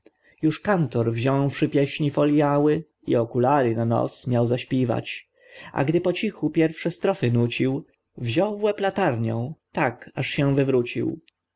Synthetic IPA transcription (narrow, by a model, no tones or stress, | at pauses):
juʂkant̪ɔɾvʑɔ̃w̃fʂɘpʲjɛɕɲifɔljawɘ | ḭɔkulaɾɘnanɔ̰t̪smʲjawzaɕpʲjiva̰t͡ɕ | a̰ɡd̪ɘpɔt͡ɕixupʲjɛɾfʂɛst̪ɾɔfɘnut͡ɕiw | vʑɔwvwɛplat̪aɾɲɛ̰̃w̃t̪akaʂɕɛ̃vɘvɾut͡ɕḭw